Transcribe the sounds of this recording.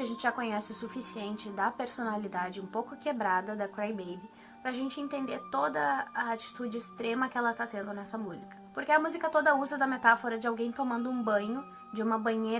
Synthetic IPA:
ɪɐʒẽntt͡ʃɪʒakõɲɛsɪʊsufisiẽnt͡ʃɪd̪ɐpeɾsonalid̪ad͡ʒɪũpowkʊkebɾad̪ɐd̪ɐkɾajbejbɪ | pɾɐaʒẽnt͡ʃɪẽnt̪ẽnd̪eɾt̪od̪ɐɐat͡ʃi̥t̪ud͡ʒɪɪst̪ɾẽmɐkɪɛlɐt̪at̪ẽnd̪ʊnɛsɐmuzikɐ̥poɾkeɐmuzikɐt̪od̪ɐuzɐd̪ɐmet̪afoɾɐd͡ʒɪawɡẽj̃t̪omɐ̃nd̪ʊũbɐ̃ɲʊ | d͡ʒɪũmɐbɐ̃ɲe

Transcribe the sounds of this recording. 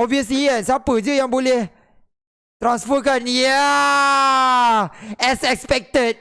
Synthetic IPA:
ɔviəs̬liɛsapɨd͡ʒɨjãŋbuli | t̪ɾãnsfɔkãnja | ɛsɛk̚spɛk̚tət̚

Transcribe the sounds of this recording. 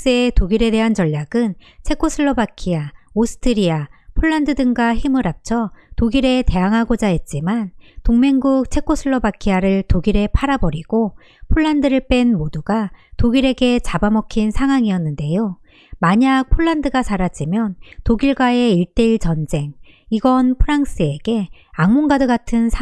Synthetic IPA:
s͈ɯetoɡiɾe̞de̞ɦant͡ɕʌʎːaɡɯnt͡ɕʰe̞kʰosʰɯɭːʌbakʰiaosʰɯ̥tʰɯɾiapʰoɭːandɯdɯŋɡwaçimɯɾap̚t͡ɕʰʌtoɡiɾe̞te̞aŋɦaɡod͡ʑaɦe̞t̚t͡ɕ͈imantoŋme̞ŋɡuk̚t͡ɕʰe̞k͈ʰːosʰɯɭːʌbakʰiaɾɯɭtoɡiɾe̞pʰaɾabʌɾiɡ̥o | pʰoɭːandɯɾɯɭp͈e̞nmoduɡatoɡiɾe̞ɡe̞t͡ɕabamʌkʰinsʰaŋɦwaŋiʌnːɯnde̞jo | maɲak̚pʰoɭːandɯɡasʰaɾad͡ʑimjʌntoɡiɭɡwae̞iɭt͈e̞iɭt͡ɕʌnd͡ʑe̞ŋiɡʌnpʰɯɾaŋs͈ɯe̞ɡ̥e̞aŋmoŋɡadɯɡatʰɯnsʰ

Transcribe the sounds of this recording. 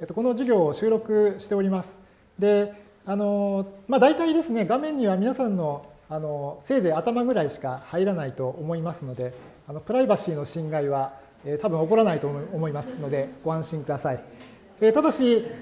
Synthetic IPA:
et̪o̞ko̞no̞ʑiɡʲo̞ːɕɨːɾo̞kɯ̟ɕi̥t̪e̞o̞ɾʲimasɨ̥ | d̪e̞ | ano̞mad̪ait̪aid̪e̞sɨne̞ɡamẽ̞ɲ̟ːiβamʲinasãnːo̞ano̞se̞ːze̞at̪amaɡɯ̟ɾaiɕi̥kahaiɾanait̪o̞ʔːmo̞imasɨno̞d̪e̞ | ano̞pɯ̟ɾaibaɕiːno̞ɕĩŋɡaiβa | eːt̪abɯ̟̃ɰ̃o̞boɾanait̪o̞ːmo̞imasɨ̥no̞d̪e̞ɡ̥o̞ãɰ̃ɕĩŋkɯ̟d̪asai | et̪ad̪aɕi

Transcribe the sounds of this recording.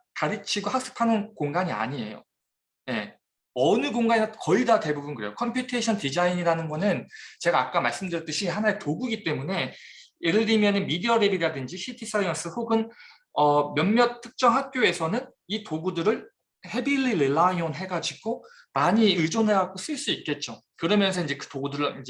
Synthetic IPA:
kaɾɯt͡ɕʰiɡohak̚s͈ɯ̥pʰanɯnkoŋɡaɲia̰ɲie̞̰jo̰ | je̞̰ | ʌnɯɡoŋɡaɲiakʌidate̞bubɯnkɯɾe̞jokʰʌmpʰjutʰeɕʰʌntid͡ʑaiɲiɾanɯnɡʌnɯnt͡ɕe̞ɡaːk͈amaɭs͈ɯmdɯɾʌt͈ɯɕʰihanaetoɡuɡit͈e̞mune̞ | eɾɯɭːimʌnɯnmidiʌɾebiɾadɯnd͡ʑiɕʰitʰis͈ʰaiʌns͈ɯhoɡɯn | ʌmjʌnmjʌt̚tʰɯ̥k̚t͡ɕ͈ʌŋɦak̚k͈joe̞sʰʌnɯn | itoɡudɯɾɯɭ | he̞bilːiɾeɭːaionɦe̞ɡad͡ʑiɡo | maɲiɯɭd͡ʑonɦe̞ɦaɡos͈ɯɭs͈uik̚k͈e̞t̚t͡ɕ͈o | kɯɾʌmjʌnsʰʌind͡ʑe̞kɯ̥toɡudɯɾɯɭind͡ʑe

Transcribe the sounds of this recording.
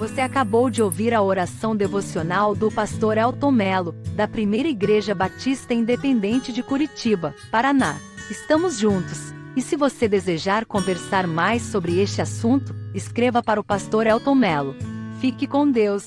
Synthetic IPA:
voseakabowd͡ʒɪoviɾɐoɾasɐ̃w̃d̪evosionawd̪ʊpast̪oɾɛwt̪õmɛlʊd̪ɐpɾimejɾɐiɡɾeʒɐbat͡ʃist̪ɐĩnd̪epẽnd̪ẽnt͡ʃɪd͡ʒɪkuɾit͡ʃibɐpaɾanaɪst̪ɐ̃mʊzʒũnt̪ʊs | ɪsɪvosed̪ezeʒaɾkõveɾsaɾmajsːobɾɪest͡ʃɪasũnt̪ʊɪskɾevɐpaɾɐʊpast̪oɾɛwt̪õmɛlʊfikɪkõd̪ews

